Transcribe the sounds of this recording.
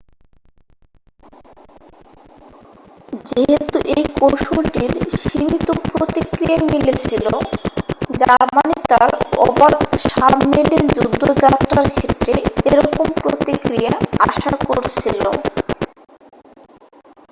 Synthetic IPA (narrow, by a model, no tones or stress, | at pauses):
d͡ʑeɦet̪uʔejkowʃulʈiɾʃimit̪opɾot̪ikɾiamilet͡ɕʰilo | d͡ʑaɾmanit̪aɾɔ̰bad̪ʃabmilid͡ʑud̪ːod͡ʑat̪ːɾaɾkʰet̪ɾeeɾɔkompɾot̪ikɾijaaʃakoɾt͡ɕʰilo̰